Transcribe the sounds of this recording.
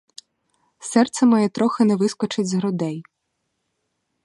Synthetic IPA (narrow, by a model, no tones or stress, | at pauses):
sɛrt̪sɛmɔjɛt̪ɾɔxɪnɛʋɪskɔt͡ʃɪdʲzɦɾɔd̪ɛj